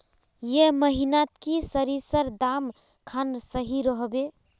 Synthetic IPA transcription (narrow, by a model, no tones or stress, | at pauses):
jeməɦinat̪kisəɾisəɾd̪am | kʰansəɦiɾəɦbe